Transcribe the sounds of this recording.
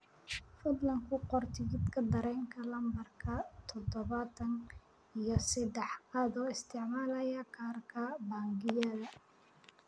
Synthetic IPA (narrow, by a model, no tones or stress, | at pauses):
fʊd̪lɐŋkʰʊqɔrt̪ʰɪɣɪd̪kʰɐd̪ɐɾɛːŋkʰɐlɐmbɐrkʰɐt̪ʰɔd̪ɔβɐt̪ʰɐn | ijɔsɛd̪ɛħqɑːd̪ɔːɪst̪ʰɛʕmaːlɐjɐkʰaːrkʰɐbaːŋɡɪjɐðɐ